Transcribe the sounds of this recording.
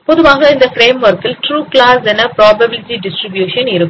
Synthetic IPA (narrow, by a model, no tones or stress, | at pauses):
pɔðɯʋaːɣɐɪnd̪ɐfɾeːmʋɐɾkɪlʈɾuːklaːsɛnɐpɾaːbɐbɪlɪʈiɖɪsʈɾɪbjuːʂɐnɪɾɯkː